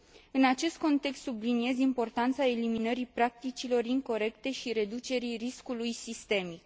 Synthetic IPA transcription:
ɨnat͡ʃe̞st̪̚ko̞nt̪e̞kst̪sublinie̞zimpo̞rt̪ant̪sae̞liminəɾipɾak̚t̪it͡ʃilo̞riŋko̞ɾe̞kt̪e̞ʃiɾe̞d̪ut͡ʃe̞ɾiriskulujsist̪e̞mik

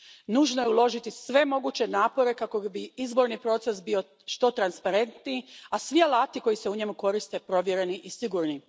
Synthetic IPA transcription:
nuːʒnojeulˠo̞ʒit̪isʋe̞mo̞ɡuːt͡ɕe̞naːpo̞ɾe̞kako̞biizbo̞ɾnipɾo̞t̪se̞sbio̞ | ʃt̪o̞t̪ɾanspaɾe̞nt̪niːasʋialaːt̪iko̞jiseuɲe̞muko̞ɾist̪e̞pɾo̞ʋjeɾe̞niʔisiɡuːɾni

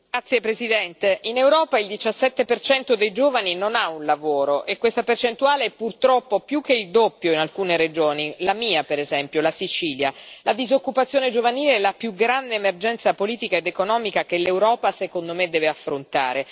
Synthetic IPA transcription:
ɡat̪sːjepɾezid̪ɛnt̪einewɾɔːpaild̪it͡ʃasːɛt̪ːepert͡ʃɛnt̪od̪ejd͡ʒoːvaninonaunlavoːɾoʔekːwest̪apert͡ʃent̪uaːleɛpːurt̪ɾɔpːopjukːeild̪opːjoinalkuːneɾed͡ʒoːnilamiːapeɾezɛmpjolasit͡ʃiːljalad̪izokːupat̪sːjoːned͡ʒovaniːleɛlːapjuɡɾand̪eːmerd͡ʒɛnt̪sapoliːt̪ikaed̪ekonɔːmikak̟elewɾɔːpasekond̪omed̪ːɛːveafːɾont̪a̰ːɾe

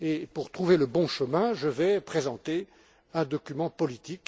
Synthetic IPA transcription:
epuʁt̪χuveləbɔ̃ʃəmɛ̃ʒəvɛpχezɑ̃t̪e | ɛ̃d̪ɔkʲymɑ̃pɔlit̪ik

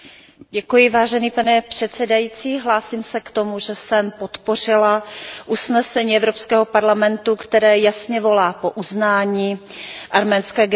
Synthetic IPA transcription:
ɟɛkujɪvaːʒɛniːpanɛpr̥ɛt̪sɛdajiːt͡siːɦlaːsiːmsɛkt̪o̞muʒɛsɛmpot̪po̞r̝ɪlaʔusnɛsɛɲiːɛvɾopskɛːɦo̞paɾlamɛnt̪ukt̪ɛɾɛːjasɲɛvo̞laːpo̞ʔuznaːɲiːʔaɾmɛːnskɛːɡ

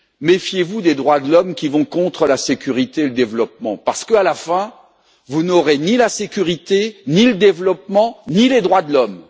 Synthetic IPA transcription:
mefjevud̪ed̪ʁwad̪əlɔmkʲivɔ̃kɔ̃t̪χəlasekʲyʁit̪eːləd̪evlɔp̚mɑ̃paʁsə̥kəalafɛ̃ | vunɔʁenilasekʲyʁit̪eniləd̪evlɔp̚mɑ̃niled̪ʁwad̪əlɔm

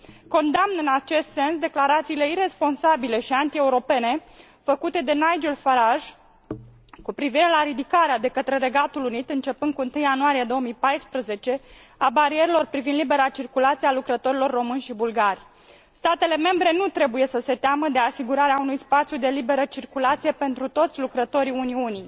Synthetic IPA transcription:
ko̞nd̪amnɨnat͡ʃe̞st̪se̞nsd̪e̞klaɾat̪siːle̞iɾe̞spo̞nsabile̞ʃiant̪ie̞uɾo̞pe̞ne̞ | fəkut̪e̞d̪e̞najd͡ʒelfaɾaʒ | kupɾiviɾe̞laɾid̪ikaɾead̪e̞kət̪ɾe̞ɾe̞ɡat̪ulunit̪ɨnt͡ʃe̞pɨnd̪kuɨnt̪ɨjanuaɾijed̪o̞omijpajspɾəze̞t͡ʃe̞ | abaɾieɾilo̞rpɾivind̪libe̞ɾat͡ʃirkulat̪sijalukɾət̪o̞ɾilo̞rːo̞mɨnʲʃibulɡarʲ | st̪at̪e̞le̞me̞mbɾe̞nut̪ɾe̞buje̞səse̞t̪eaməd̪e̞asiɡuɾaɾeaunujspat̪sjud̪e̞libe̞ɾət͡ʃirkulat̪sijepe̞nt̪ɾut̪o̞t̪sʲlukɾət̪o̞ɾiuniuni

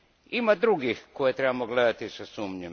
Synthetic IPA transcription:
imad̪ɾuɡixkojet̪ɾebamoɡle̞d̪at̪isasuːmɲem

